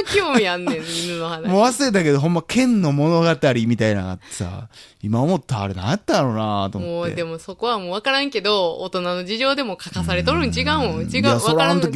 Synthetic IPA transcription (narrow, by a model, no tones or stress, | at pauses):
kʲoːmmiãnːẽmʲĩnːɯno̞hanamoβasɨɾet̪ake̞d̪o̞ɦõ̞mːakʰẽ̞nːo̞mo̞no̞ɡat̪aɾʲimʲit̪aina̰ɡa̰ːt̪ːe̞̥sa̰ | imaomo̞t̪ːa̰ːɾenã̰jat̪ːaɾonat̪omooḛd̪emo̞so̞ko̞βamoːβakaɾãŋke̞d̪o̞ːt̪o̞nano̞d͡ʑiʑo̞ːd̪e̞mo̞kʰakasaɾe̞t̪oɾɯ̟̃ɲd͡ʑiɡãɯ̃d͡ʑiɡãaoɾaaant̪okʲi